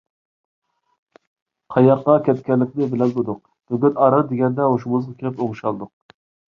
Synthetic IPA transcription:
qʰɑjɑqːɑkʲʰɛt̪kʲɛlːɪkʲd̪ɪbɪlɛnb̪od̪ʊq | b̪̥øɡʲɛt̪ɑɾɑd̪ɪɡʲɛnd̪ɛoʃumuzʁɑkʲʰelɪpoʁʃɑlˠd̪ʊq̚

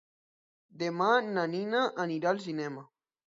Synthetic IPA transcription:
d̪emananinaʔːniɾals̬inɛma

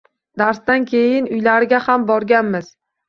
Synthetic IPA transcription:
d̪aɾsd̪ankʲʰe̞jɪnʊjlaɾɪɡʲahambɒɾɡʲanmɪz̥

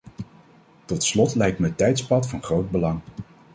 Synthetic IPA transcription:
tɔtslɔtlɛjk̚tməətɛjtspɑtfɑnχrowd̚bəlɑŋ

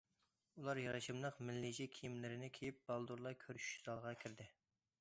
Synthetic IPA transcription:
ulˠɑɾjɑɾɑʃɨmlˠəqmɪlːid͡ʒikʲʰijimlɪɾɪnɪkʲʰejip̚bɑlˠd̪uɾlˠɑkʲʰøɾʃz̥ɑlˠʁɑkʲʰiɾd̪ɪ

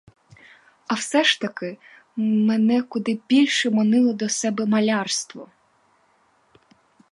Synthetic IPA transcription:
ɐwsɛʃt̪ɐkɪ | menɛkʊd̪ɪbʲilʲʃɛmɔnɪlˠɔd̪ɔsɛbɛmɐlʲɑrst̪ʋɔ

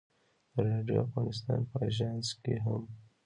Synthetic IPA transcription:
d̪̥əɾɑɖjo̰afɣɑnɪst̪ɑ̰npəaʒɑnskeɦam

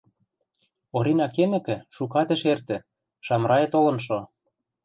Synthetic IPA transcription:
oɾinɑkemɘ̆kɘ̆ʃukɑt̪ĕʃert̪ɘ̆ | ʃɑmɾɑjet̪olɤ̆nʃ̬o

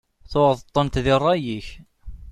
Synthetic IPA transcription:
θʊʁəðˤt̪ˤːənt̪ðɪrˤːɑjiç

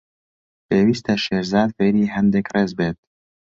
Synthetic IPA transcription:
peːwiːst̪ɛʃeːɾzɑːd̪feːɾiːɦɛnd̪ɛkreːzbeːt̪̚

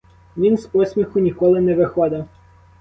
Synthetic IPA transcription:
ʋʲinspɔsʲmʲixʊnʲikɔlˠɪnɛʋɪxɔd̪ɐ

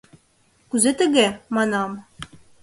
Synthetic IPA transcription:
kuzet̪ɘ̆ɣemɑnɑm

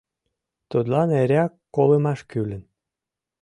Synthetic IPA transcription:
t̪ut̪lɑneɾʲɑkːolemɑʃkylə̆n

